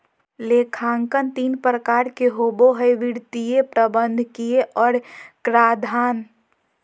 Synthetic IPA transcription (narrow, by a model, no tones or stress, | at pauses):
lekʰaːŋkənt̪iːnpɾəkaːɾkeɦoːboɦəjʋiɽt̪ijepɾəbə̃nd̪ʱkieʔɔːɾkɾaːd̪ʱaːn